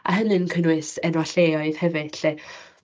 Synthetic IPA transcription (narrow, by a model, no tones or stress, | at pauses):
ʔa̰ɦənɨnkʰənwɨsɛnwɔɬeːɔɨð̥hɛvɨ̥ɬe